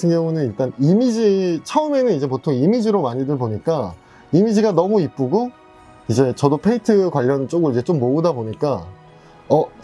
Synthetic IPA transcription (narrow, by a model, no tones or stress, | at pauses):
tʰɯŋjʌŋunɯniɭt͈animid͡ʑit͡ɕʰʌɯme̞nɯnid͡ʑe̞potʰoŋimid͡ʑiɾomaɲidɯɭboɲik͈a | imid͡ʑiɡanʌmuip͈uɡo | id͡ʑe̞t͡ɕʌdopʰe̞itʰɯkwaʎːʌnt͡ɕ͈oɡɯɭid͡ʑe̞t͡ɕ͈omːoɯdaboɲik͈a | ʌ